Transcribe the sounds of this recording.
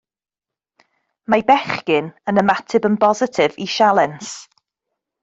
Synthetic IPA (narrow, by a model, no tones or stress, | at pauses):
majbɛχkɪnənəmatʰɪbənbɔzɪtʰɪvḭʃalˠɛns